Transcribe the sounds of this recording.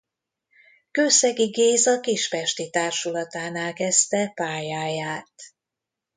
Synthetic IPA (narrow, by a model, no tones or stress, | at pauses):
køːsɛɡiɡeːzɒkiʃfɛʃt̪it̪aːrʃulɒt̪aːnaːlkɛst̪ɛpaːjaːjaːt̪